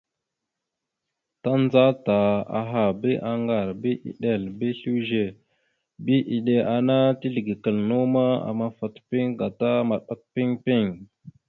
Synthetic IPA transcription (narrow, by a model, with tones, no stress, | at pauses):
ta˦n˦za˦ta˨a̰˨ɦa˨bi˦ʔa˨ŋɡa˨ɾbi˦ʔḭ˨ɗe˨lbi˦ɬu˦ʒe˨ | bi˦ʔi˨ɗe˨ʔa˨na˦ti˦ɮi˨ɡi˨kə˨lnu˦ma˦a̰˨ma˨fa˨tpi˦ŋɡa˨ta˦ma˨ɗa˨k̚pi˦ŋpi˦˨ŋ